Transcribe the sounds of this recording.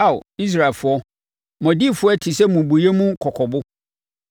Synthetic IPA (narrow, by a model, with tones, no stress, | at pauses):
a˦˨ʊ̰˨i˦s̬ɾa˨lfʊ˦ɔ˦ | mɔ̃˨di˦˨fʊ˦ɔ˦tʰi˨sɛ˦mũ˨bu˨je˦mũ˦kʰɔ˨kʰɔ˨bʊ˦